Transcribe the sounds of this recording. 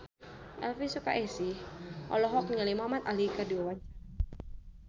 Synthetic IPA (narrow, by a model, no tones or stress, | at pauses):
ʔɛ̰lfisukaʔɛsihʔɔ̰lɔɦɔk̚ɲalimamat̪alikadiwawat͡ʃa